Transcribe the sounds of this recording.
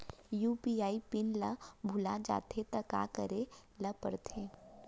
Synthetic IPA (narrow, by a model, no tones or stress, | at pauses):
juːpiːaːipɪnləbʱʊlad͡ʒa̰ːt̪ʰet̪ɐka̰kəɾelɐpə̰ɾt̪ʰeː